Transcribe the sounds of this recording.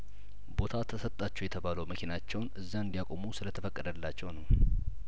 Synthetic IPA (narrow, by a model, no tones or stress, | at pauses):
bo̞t̪ʰat̪ʰəsət̪ʼːat͡ʃːɛjɛt̪ʰəβaləwməkʰinat͡ʃːɛwnɨzːaɨnd̪ijakʼomusɨlət̪ʰəfəkʼːəd̪əlːat͡ʃːɛwnəw